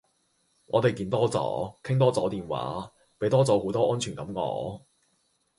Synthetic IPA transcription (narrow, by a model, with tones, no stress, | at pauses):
ŋɔː˨˧t̪e˨jkiː˧nt̪ɔː˥t͡sɔ̰ː˨˥kʰɪ˥ŋt̪ɔː˥t͡sɔː˨˥t̪iː˨nwa̰ː˨˥ | pe˨˥jt̪ɔː˥t͡sɔː˨˥ho˨˥wt̪ɔː˥ʔɔː˥nt͡ʃʰyː˨˩nkɐ˨˥mŋɔ̰ː˨˥